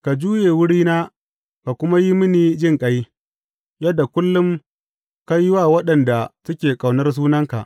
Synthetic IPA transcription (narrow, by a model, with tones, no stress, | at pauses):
ka˨d͡ʒuː˦jeː˨wʊ˦ɽiː˦naː˦ | ka˨kʷʊ˦ma˦ji˦mɪ˦niː˨d͡ʒɪ˦ŋkʼɐ˦j | jɐ˦dːa˨kʷʊ˦lːʊ˦m | ka˦jwaː˦˨wɐ˦ɗɐ˨nda˨tʊ˦kʲeː˨kʼa˨wnɐ˦rs̬uː˦nɐ˦ŋka̰˨ʔ